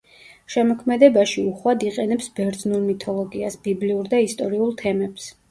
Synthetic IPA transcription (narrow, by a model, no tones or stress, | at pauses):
ʃɛmɔkʰmɛd̪ɛbaʃiuχwad̪iqʼɛnɛpsbɛɾd̪znuɾmit̪ʰɔlˠɔɡiasb̥ibliuɾd̪aist̪ʼɔɾiulˠt̪ʰɛmɛps